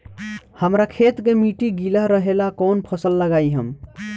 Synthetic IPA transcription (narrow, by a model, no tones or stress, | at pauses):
həmɾakʰet̪kemiʈiɡiləɦɾəɦelakonpʰəsəlːəɡaiɦəm